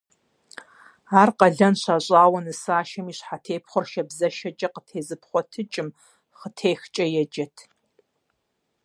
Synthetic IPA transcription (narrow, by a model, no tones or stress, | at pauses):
aːrqɐɮɐnɕaɕʼaːwɐnɨsaːʃɐmiːɕħatʰeːpʰχʷʊɔrʃɐbzɐʃɐd͡ʒʼɐqətʰeːzɨpχʷɔtʰɨt͡ʃʼɪm | χətʰeːxt͡ʃʼɐjɛd͡ʒɐtʰ